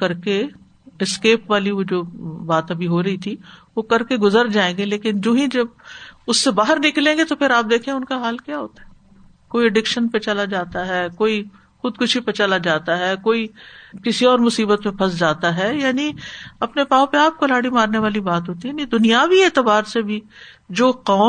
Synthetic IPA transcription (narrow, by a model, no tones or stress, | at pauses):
kɐɾke | ɛskeːpʋaːliod͡ʒoːbaːt̪ɐbʱiɦoɾɐɦit̪ʰiʋokɐɾkeɡʊzəɾd͡ʒaːẽːŋɡeleːkɪnd͡ʒoːɦĩd͡ʒɐb̚ʊsːebaːɦəɾnɪklẽːŋɡet̪opʰɪɾaːp̚d̪eːkʰeẽʊnkaɦaːlkjaːɦoːt̪ḁɦɛː | koːiɛɖɪkʃənpet͡ʃɐlad͡ʒaːt̪aɦɛːkoːi | xʊd̪kʊʃʰipet͡ʃɐlad͡ʒaːt̪aɦɛːkoːikɪsiɔːɾmʊsiːbət̪mẽpʰɐs̬d͡ʒaːt̪aɦɛjaːniɐpnepãːõpeaːp̚kolaːɽimaːɾneʋaːlibaːt̪ɦoːt̪iɦɛnid̪ʊnijaːʋieːt̪əbaːɾsebʱi | d͡ʒoːqɔː